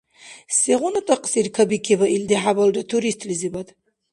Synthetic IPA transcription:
seʁɔnat̪ʼaqʼsiɾkʰabikʰɛbaʔild̪iħabaldat̪ʰuɾist̪ʰʼlizibad̪

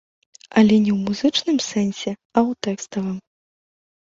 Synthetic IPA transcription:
ɐlʲɛnʲɛwmuzɨt͡ʂnɨmsɛnsʲɛɐwt̪ɛkst̪ɐvɨm

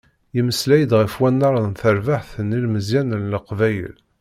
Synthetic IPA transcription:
jiməslæjəd̪ʁəfwænːɑɾˤɑðnθəɾvaħθənːilməzjænənləqvæjə̰l

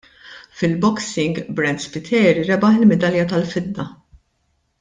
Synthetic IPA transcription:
fɪlbɔksɪŋɡbɾɛnd̪spɪt̪ʰɛːɾiɾɛbɐħɪlmɛd̪ɐljɐt̪ɐlfɪd̪ːɐ

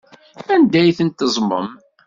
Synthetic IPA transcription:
ænd̪æjθənt̪ːəzˤmə̰m

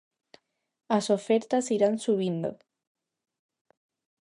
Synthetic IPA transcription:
asofɛɾt̪asiɾansuβ̞ind̪o̰

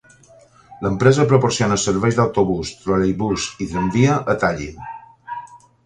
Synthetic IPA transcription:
ləmpɾezəpɾopoɾsionəsəɾβɛjzd̪awt̪oβust̪ɾolejβuziðɾəmbiəʔət̪aʎḭn

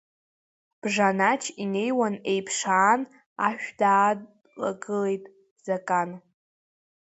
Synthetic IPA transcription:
b̥ʐanat͡ʃʰine̞jwane̞jpʰʂaːn | aʃᶣdaː | la̰ɡɨle̞jtʼ | z̥akʼan

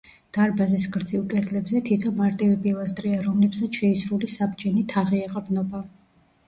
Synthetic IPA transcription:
d̪̥aɾbazisɡɾd̪zilˠkʼɛd̪ʰlɛbzɛt̪ʰit̪ʰɔnmaɾt̪ʼivipʼilˠast̪ʼɾiaɾɔmlɛbsat̪sʃɛisɾulisabd͡ʒɛnit̪ʰaʁiɛqʼɾd̪nɔba

